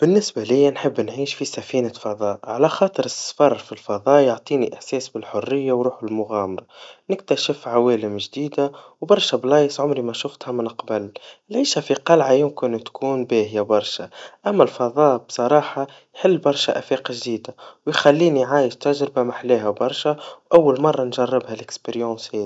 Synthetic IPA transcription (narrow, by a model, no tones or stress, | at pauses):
b̥ɪnːɪsbalɪjːanħəbːnʕiːʃfisæfiːnafɑðˤɑːʔʕalaxɑːt̪ˤɨɾɪsfɑrˤːfilfɑðˤɑːjʊʕt̪ˤiːniʔɪħsɛːsbɪlħʊrːɪjːawɾuːħɪlmʊɣæːmɑɾˤɑnɪk̚t̪æʃɪfʕawæːlɪmʒd̪iːd̪awbɑɾˤʃablɑːjsˤʕʊmɾimæʃʊft̪hamɪnqbalɪlʕiːʃafiqɑlʕajʊmkɪnt̪kʰuːnbɛːhɪjabɑɾˤʃaʔæmːælfɑðˤɑːbsˤɑɾˤɑːħɑ | jħɪlːbɑɾˤʃaʔæfɛːqʒd̪iːd̪awjxælːiːnijʕaːjɪʃt̪æʒɾɪbamaħlɛːɦæbɑɾˤʃawʔawːalmɑrˤːɑnʒɑrˤːɪbhælɪkspeɾjɑ̃ːshɛːi